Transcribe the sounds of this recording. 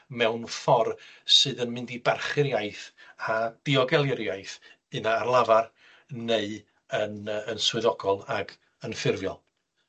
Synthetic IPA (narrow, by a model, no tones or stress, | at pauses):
mɛwnfɔrsɨːðənmɨndibarχɪɾjaɨθad̥iɔɡɛlˠɪɾjajθ | ɨnaːrlˠavar | neɨ | ənənswɨðɔɡɔlˠaɡ | ənfɪrvjɔ̰lˠ